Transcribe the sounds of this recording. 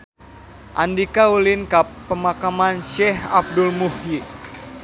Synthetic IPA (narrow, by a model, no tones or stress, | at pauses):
ʔandikaulinkapːəmakamanʃɛɦab̚dulmuhi